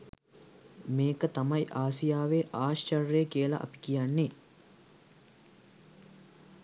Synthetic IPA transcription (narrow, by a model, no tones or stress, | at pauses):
meːkət̪ɐmɐjʔaːsijaːʋeːʔaːʃt͡ʃɐrːeːkiəlɐ̰ʔɐ̰pi̥kijanːe